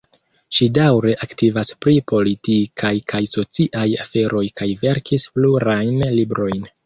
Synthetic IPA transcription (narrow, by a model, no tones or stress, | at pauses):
ʃidawɾe̞ʔaktivaspɾipo̞litikʰajkʰajso̞t͡siʔajafe̞ɾʔo̞jkajve̞ɾkispluɾajnlibɾo̞jn